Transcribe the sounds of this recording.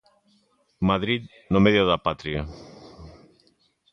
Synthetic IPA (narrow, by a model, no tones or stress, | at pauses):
maðɾit̪ | nomeðioðapat̪ɾia